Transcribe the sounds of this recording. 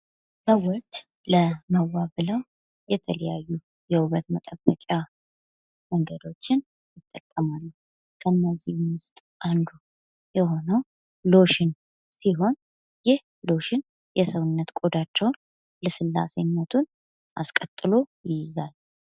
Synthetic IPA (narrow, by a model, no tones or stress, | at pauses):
səwot͡ʃː | ləməwːabɨləw | jɛt̪ʰələjajːu | jɛuβət̪mət̪ʼəbːəkʼa | wəŋɡəd̪o̞t͡ʃːɪn | jɪt̪ʼːəkʼːəmalːu | kʰənːəzːihwʊst̪ʼ | ʔand̪u | jɛho̞nəw | lo̞ʃɪn | siɦo̞n | jɪh | lo̞ʃɪn | jɛsəwɨnːət̪kʼod̪at͡ʃːɛwn | ləsɨlːa̰senːət̪ʰun | ʔa̰skʼət̪ʼːɨlo̞jɪjɪzal